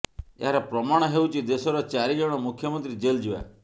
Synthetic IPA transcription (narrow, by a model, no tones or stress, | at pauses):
ḛɦaɾɔpɾɔmaɽ̃ɔɦeut͡ʃʰid̪esɔɾɔt͡ʃaɾid͡ʒɔɽ̃ɔmukʰjɔmɔnt̪ɾid͡ʒeld͡ʒia̰